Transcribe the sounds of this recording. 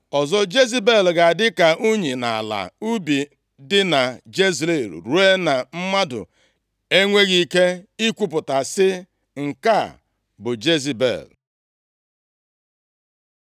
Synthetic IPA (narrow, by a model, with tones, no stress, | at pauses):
ɔ˨zɔ˦d͡ʒe˦zi˦be˦˨lɡa˨dɪ˦ka˨ʔu˦ɲi˨na˨a˨la̰˨u˦bi˨ | dɪ˦na˨d͡ʒe˦zle˨ɾṵ˨ɾu˦e˦na˨m̩˦ma˦dʊ̰˨ | e˦ŋʷe˦ɣi˦ke˦i˦kʷu˨pʊ˨ta˨sɪ˦ | ŋ̩˨ka˦˨ | bʊ˨d͡ʒe˦zi˨bḛ˨l